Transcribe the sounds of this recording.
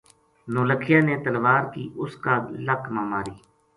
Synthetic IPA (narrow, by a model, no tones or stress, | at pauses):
noːləkʰɪjaːneːt̪əlʋaːɾkiːʔʊskaːləkmaːmaːɾiː